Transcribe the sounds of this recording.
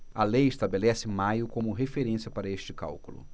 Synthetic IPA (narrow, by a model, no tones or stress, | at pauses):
ɐlejɪʃt̪abelɛsɪmajʊkõmʊɦefeɾẽsiɐpaɾɐest͡ʃɪka̰wkʊlʊ̰